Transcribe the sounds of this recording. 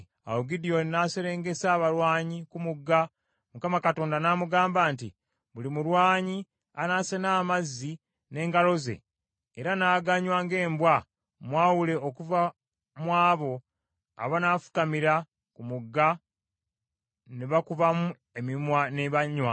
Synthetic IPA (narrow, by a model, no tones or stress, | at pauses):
a̰woɡidio̞nnaseɾe̞ːŋɡe̞saːβalwaːɲikumuɡːa | mukamakato̞ːndanaːmuɡaːmbaːntḭ | βulimuɾwaːɲi | anaːsenaːmazːi | ne̞ːŋɡalo̞ze̞̰ː | ɾanaːɡaɲwaːŋɡe̞ːmbwa | mwaːwule̞okuva | mwaːβo̞ | a̰βanaːfu̥kamiɾa | kumuɡːa | neβakuvamu | emimwaneβaɲwa